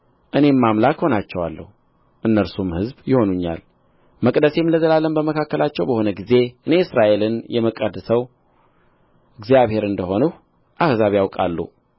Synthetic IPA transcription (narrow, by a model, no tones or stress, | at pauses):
ʔɨne̞mːamlakho̞nat͡ʃːɛwalːə̰hu | ʔɨnːəɾsumhɨzbjɪho̞nuɲːa̰l | məkʼd̪əse̞mləzəlalːənbəməkʰakːəlat͡ʃːɛwbəho̞nəɡize̞ʔɨne̞ɨsɾaʔe̞lɨnjɛməkʼəd̪ɨsəw | ɨɡzijaβhe̞ɾɨnd̪əho̞nuh | ʔahzaβjawkʼa̰lːṵ